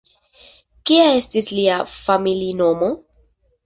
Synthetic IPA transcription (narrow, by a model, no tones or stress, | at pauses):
kiaestisliafamilinomo